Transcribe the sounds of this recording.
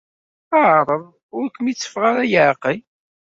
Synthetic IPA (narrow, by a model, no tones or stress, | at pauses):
aʕɾˤəðˤ | ʊɾkʷəmit͡sːə̥fʁaɾajəʕqi